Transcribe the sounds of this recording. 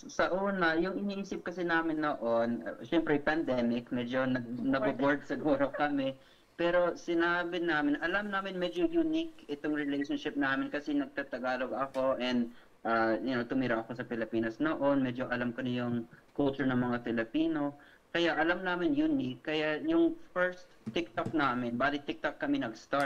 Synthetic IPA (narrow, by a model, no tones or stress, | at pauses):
sɐʔuːnɐjʊŋʔɪniːʔiːsɪp̚kɐsɪnaːmɪnːoʔonʃɛmpɾɛpɐnd̪ɛmɪk̚mɛd͡ʒo̞nɐɡ̚nɐɡbɐboɹd̪̚sɪɡoːɾokɐmɛ | pɛːɾo̞sɪnaːbɪnaːmɪnʔɐlɐmnaːmɪnmɛd͡ʒojʊnɪkɪt̪oŋɹɪlejʃonʃɪp̚naːmɪnkɐsɪnɐɡ̚t̪at̪ɐɡaːloɡɐko̞ʔɛnd̪ | ʔaːjʊnot̪ʊmɪɾaʔɐko̞sɐpɪlɪpiːnɐsnoʔo̞nmɛd͡ʒoʔɐlamkɐnɪjʊŋkʊlt͡ʃʊɹnɐŋmɐŋafɪlɪpiːno̞ | kɐjaʔɐlɐmnaːmɪnjʊnikːɐjajʊŋfɛɹst̪t̪ːɪk̚t̪ok̚naːmɪnbaːlɪt̪ɪk̚t̪ok̚ːɐmɪnɐɡst̪a